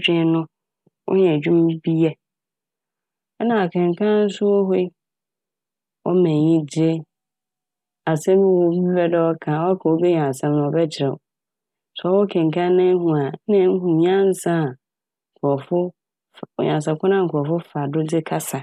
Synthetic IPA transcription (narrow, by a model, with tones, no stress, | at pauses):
t͡ɕᶣɪ̃˦nʊ̃˦ | wɔ̰˦hɛ̃˨d͡ʑᶣũ˦m˦bi˦ɛ˦ | nã˨a˨kʰɪ̃˨ŋ˨kʰã˦n̩˦sʊ˦wɔ˦ɦe˦ | wɔ̰˦mɛ̃˨ɲĩ˦dɪ˦e˦ | a˨sɛ̃˦bɛ˦wɔ˨˦bi˦fɛ˦dɛ˦ɔ˦kʰã˨wɔ˦a˦kʰa˨wo˦be˦ɲ˨ã˨sɛ̃˦m˨nʊ̃˨ɔ˨bɛ˦t͡ɕʰɪ˨ɾɛ̰˨ɔ˨ | sɔ˨wɔ˦kʰɛ̃˨ŋ̩˨kʰã˦nɪ̃˦hũ˨a˨˦nɪ̃˦ŋ̩˦hũ˨ɲ˦ã˦n̩˦sã˦˨ | kʰʊ˨ɔ˨fʊ˦˨ | ɲ˨ã̰˨ns̬a˨kʰʊ˦nã˦ŋ̩˨kʰʊ˨ɔ˨fʊ˦fa˨dʊ˦dɪ˦kʰa˦sa˨